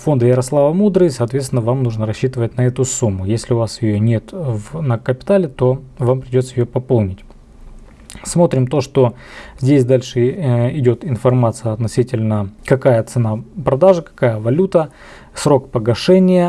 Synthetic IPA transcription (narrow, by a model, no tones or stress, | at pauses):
fo̞nd̪əjɪɾɐslˠavəmud̪ɾɨsɐːt̪vʲet̪sʲɪnːəvamnuʐnəɾɐɕːit̪ɨvətʲnɐɛt̪ʊsumːʊjesʲlʲɪʊvasjɪjonʲe̞t̪vnəkəpʲɪ̥t̪alʲɪt̪o̞vampɾʲɪdʲo̞t̪səjɪjopɐpolˠnʲɪtʲ | smo̞t̪ɾʲɪmt̪o̞ʂt̪o̞ | zʲdʲesʲd̪alʲʂɨɪdʲo̞t̪ɪnfɐrmat̪sɨjəɐt̪nɐsʲitʲɪlʲnəkɐkajət̪sɨnapɾɐd̪aʐɨkɐ̥kajəvɐlʲut̪ə | sɾo̞kpəɡɐʂɛnʲɪjə